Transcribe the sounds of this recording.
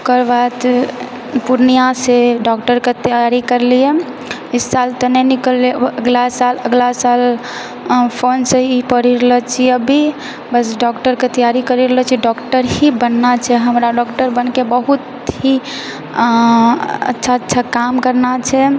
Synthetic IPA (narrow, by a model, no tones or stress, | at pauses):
kəɾbat̪ | puɾnijaseɖɔkʈəɾket̪ijaɾikəɾlije | isːalt̪ɔnɛnikəlːeəɡlasaləɡlasal | pʰonsəipəɽiɾəɦət͡ʃʰiəbʱi | bəsɖɔkʈəɾket̪ijaɾikəɾiɾələt͡ʃʰiɖɔkʈəɾɦibənːat͡ʃʰɛɦəmɾaɖɔkʈəɾbənkebəɦut̪ | ɦi | ə̰tːʃʰaətːʃʰakamkəɾnat͡ʃʰɛ